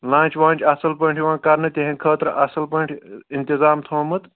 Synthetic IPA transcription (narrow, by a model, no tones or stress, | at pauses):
lãːt͡ʃʋãːnt͡ʃʲɐsɐlpɐɳʈʰiʋãːkɐɾnɨt̪ʲeɦẽnkʰəːt̪ɾʔɐsɐlpɐɳʈʰint̪izaːmt̪ʰoːmɨt̪